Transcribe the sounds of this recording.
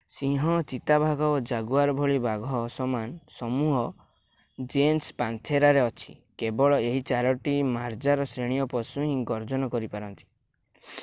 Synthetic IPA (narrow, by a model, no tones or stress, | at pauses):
sĩɦɔ̃t͡ʃit̪abʱaɡɔod͡ʒaɡuaɾɔbʱɔɭibaɡʱɔːsɔmansɔmuɦɔ | d͡ʒenspant̪ʰeɾaɾeɔt͡ʃʰi̥̰kebɔɭɔeɦit͡ʃaɾɔʈimaɾd͡ʒaɾɔsɾeɽ̃ijɔpɔsuɦĩŋɡɔɾd͡ʒɔnɔkɔɾipaɾɔnt̪i̥